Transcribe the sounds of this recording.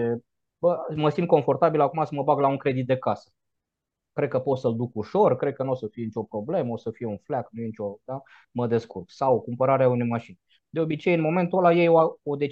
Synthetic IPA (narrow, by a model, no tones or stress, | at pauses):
e | bəməsim̚ko̞ɱfo̞rt̪abilakumasəməbaɡlauŋkɾe̞d̪it̪̚d̪e̞kasə̥ | kɾe̞d̪̚kəpo̞t̪səld̪ukuʃo̞rkɾe̞d̪̚kənuosəfijenit͡ʃʲo̞pɾoble̞məosəfije̞unflaknujenit͡ʃʲo̞d̪a | məd̪e̞skurksawkumpəɾaɾeaunejmaʃinʲ | d̪eo̞bit͡ʃejɨnmo̞me̞nt̪uolajejoaod̪e̞